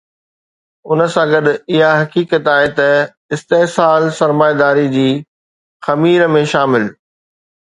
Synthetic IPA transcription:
ʊnə̆sãɡɐɗɪɦaɦɐkiːkət̪aːɦet̪ɐ | ɪst̪eːɦsaːlsɐɾmaːjd̪aːɾid͡ʑiː | xɐmiːɾəmẽʃaːmɪl

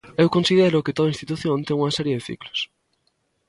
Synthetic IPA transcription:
ewkonsið̞eɾʊkɪt̪oðaĩnst̪it̪uθjõnt̪eŋuŋɐsɛɾjeðeθḭklʊ̥s

